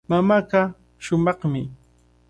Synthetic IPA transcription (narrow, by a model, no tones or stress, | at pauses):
mamaɢa | ʃʊmɑχmɪ